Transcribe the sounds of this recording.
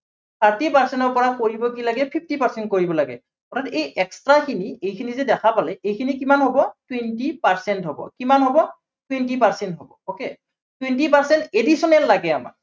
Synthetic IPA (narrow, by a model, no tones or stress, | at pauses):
tʰaɹtipaɹsɛntɔɹpɔɹakoɹibɔkilaɡɛpʰip̚ʰtipaɹsɛnt̚koɹibɔlaɡɛ̰ | ɔtʰatejʔɛkstɹakʰiniejkʰinizɛdɛxʰapalɛʔejkʰinikimanɦobɔtwentipaɹsɛntɦɔbɔ̰kimanɦobɔ | twentipaɹsɛntɦɔbɔokɛ | twentipaɹsɛntedisɔnɛlːaɡɛama̰k